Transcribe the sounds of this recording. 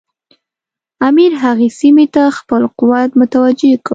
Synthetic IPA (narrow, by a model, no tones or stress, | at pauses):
amiɾɦaɣesimet̪axpəlqʊwat̪mʊt̪awad͡ʒekɽ